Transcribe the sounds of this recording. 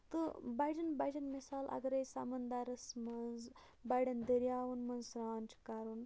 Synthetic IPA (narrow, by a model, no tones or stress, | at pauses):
t̪ɨbajɖɐnbajd͡ʒɐnmisaːlʔɐ̰ɡɾɐjsa̰mɐnd̪aɾɐsmɐnz | bajɖɐnd̪əɾjaːʋunmɐnzsɾaːnt͡ʃʰi̥kaɾun